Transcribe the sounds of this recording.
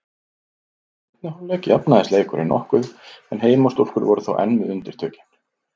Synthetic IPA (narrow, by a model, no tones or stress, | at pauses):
ɛt̪nahawlɛːcɪapnaðɪsleːjkʏɾʔinɔ̰hkʏɛnɦeːjmɔst̪ul̥kʏɾvɔɾʏθowʔɛ̰nmʏðʏnt̪ɪɾ̥t̪ʰœːcɪ̥n̥